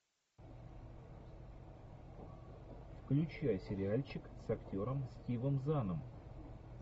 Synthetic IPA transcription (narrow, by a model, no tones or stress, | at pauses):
fklʲʉt͡ɕjasʲɪɾʲɪalʲt͡ɕɪksɐktʲo̞ɾəmsʲtʲivəmzanəm